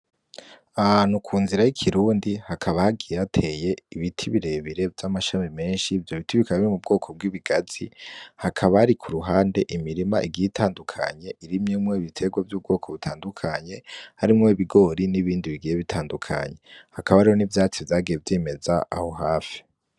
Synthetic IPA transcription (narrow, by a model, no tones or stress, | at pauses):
aanukʰuːnziɾajikʰiɾuːndihakʰaβahaɡijeatʰe̞je̞iβitʰiβiɾe̞βiɾe̞vjamaʃamime̞ːnʃivjoβitiβikaɲiimub̚ɡo̞ːkʰo̞b̚ɡwiːβiɡ̥az̥ḭhakʰaβahaɾikʰuɾuɦaːnde̞ʔimiɾimaʔiɡitʰaːndukʰa̰ɲe̞ʔiɾimɲimŋoiβitʰe̞ɡwavjuːb̚ɡo̞ːkʰo̞βutʰaːndukʰaɲe̞haɾimŋo̞iβiɡo̞ɾiniβiːndiβiɡijeβitʰaːndukʰa̰ɲe̞hakaβaːɾihonivjaːt͡sivjaːɡije̞vjeːme̞zaʔa̰ho̞ɦaːfi̥